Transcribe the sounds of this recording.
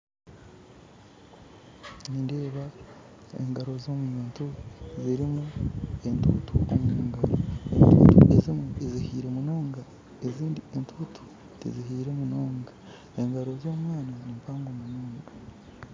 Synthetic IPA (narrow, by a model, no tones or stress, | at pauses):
ninde̞ːβa | ḛŋɡaɾo̞zo̞muoːntuziɾimue̞ntutʰuomunuːŋɡaɾoentṵːtuezimuezihiːɾe̞munoːŋɡa | eziːndientʰutʰu̥ | tḭziɦiːɾe̞munoːŋɡa | e̞ŋɡaɾo̞zo̞ːmwaːnanimpaːŋɡomunoːŋɡa